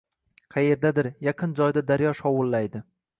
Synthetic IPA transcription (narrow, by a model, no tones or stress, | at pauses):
qʰɑje̞ɾd̪ad̪ɪɾjɑqʰɨnd͡ʒɒjd̪ad̪aɾjɒʃɒwʊlˠːajd̪ɪ